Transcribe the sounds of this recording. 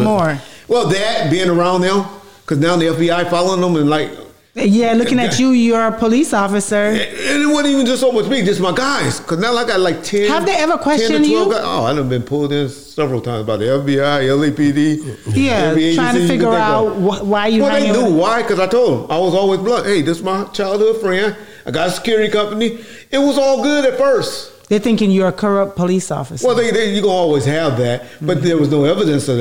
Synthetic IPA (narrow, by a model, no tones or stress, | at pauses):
mɔɹwɛlˠðɨt̚b̥ɪ̃ɪ̃nə˞ãʊ̃nːaʊ | kʰʌznaʊ̃nðiɛfb̥iaɪfɑlˠoʊ̃ŋə̃mɨ̃nlaɪk | jælʊkɪ̃ŋɨt͡ʃɨjə˞pʰəlisɔfɨsə˞ɨ̃nɪt̚wʌɾnivɨ̃n̩d͡ʒʌstsoʊmʌt͡ʃmiðɨsmaɪɡaɪz̥kʰʌznaʊlaɪkaɪt̚ˡlaɪk̚tʰɛ̃nəvðeɪɛvə˞kʰw̥ɛst͡ʃɨ̃njwɛɡaɪo̰ʊa̰ɪn̩bɨ̃npʰʊlˠŋɪ̃n | sɛvɹl̩ˠtʰãɪ̃mzbaɪðiɛfbiaɪɛlˠipidijæɛbieɪɹ̥aɪ̃ŋtiɨfɪɡjə˞at̚wʌwaɪjɨɛlˠðeɪnjuwaɪkʰʌzaɪtʰoʊlˠd̚ə̃maɪwʌzɔlˠwizblʌkheɪðɪsmaɪt͡ʃʰaɪlˠd̚hʊd̥fɹɛ̃ | aɪɡɑɾəskɛɹikʌ̃mpəni | ɪt̚wʌzɔlˠɡʊɾɨtfɜ˞st | ðəθɪ̃ŋkɪ̃ŋjə˞kʰə˞ʌpʰəlisɔ̰fɨswɛlˠðeɪðeɪjɨkõnɔlˠwiz̥ɨvðæt̚b̥ʌt̪̚ðə˞wʌznoʊɛvɨɾɨ̃nsʌð